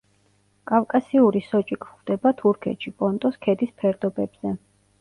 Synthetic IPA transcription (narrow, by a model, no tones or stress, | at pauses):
kʼafkʼasiuɾisɔt͡ʃʼikʰʼχwd̪ɛbat̪ʰuɾkʰɛ̰t̪ʃipʼɔnt̪ʼɔskʰɛd̪ispʰɛɾd̪ɔbɛbz̥ɛ